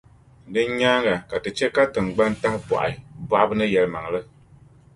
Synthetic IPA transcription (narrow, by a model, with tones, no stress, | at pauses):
dɨ˦ɲ˦ɲaː˦ŋa˨ka˨tɨ˨t͡ʃɛ˦ka˦tɨ˨ŋɡ͡ba˦nta˦hpɔ̰˨ʔba˦ʔa˦bɨ˦nɨ˦jɛ˨lɨ˦ma˨ŋlɨ˦